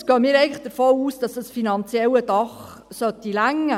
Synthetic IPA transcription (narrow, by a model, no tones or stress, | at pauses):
sɡ̥øːəmiːɾɛɪɡn̩ləχd̥əɾfoːuːsd̥ɑsd̥ɑsfinɑnt͡sjɛlədɑχ | sœt̪ilæŋə